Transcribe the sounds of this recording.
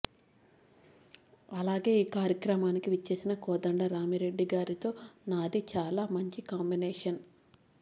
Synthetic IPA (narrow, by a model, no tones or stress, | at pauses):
ɐlaːɡe̞ːiːkaːɾjɐkɾɐmaːnikiʋit͡ʃːeːsinɐkɔːd̪ɐɳɖɐɾaːmiɾe̞ɖːiɡaːɾit̪o̞ːnaːd̪it͡ʃaːlaːmɐɲt͡ʃikaːmbineːʂɐn